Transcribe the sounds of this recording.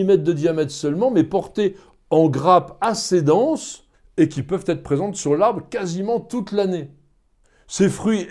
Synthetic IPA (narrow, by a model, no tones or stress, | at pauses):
imɛt̪̚d̪əd̪jamɛt̪χsœlmɑ̃mɛpɔʁt̪e | ɑ̃ɡʁapased̪ɑ̃s | ekʲipœvt̪ɛt̪χpχezɑ̃t̪syʁlaʁbʁkazimɑ̃t̪ut̪lane | sefχɥi